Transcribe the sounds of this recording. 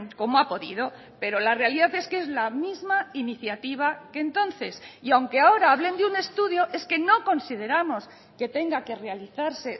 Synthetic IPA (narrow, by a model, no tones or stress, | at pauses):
ko̞moapo̞ðḭðo̞ | pe̞ɾo̞lare̞aliðaθe̞skee̞zlamizmainiθjat̪iβ̞ake̞nt̪o̞nθe̞siawŋke̞ao̞ɾaaβle̞nd̪eune̞st̪uðjo̞ʔe̞ske̞no̞ko̞nsið̞e̞ɾamo̞s | ke̞t̪e̞ŋɡake̞re̞aliθaɾse̞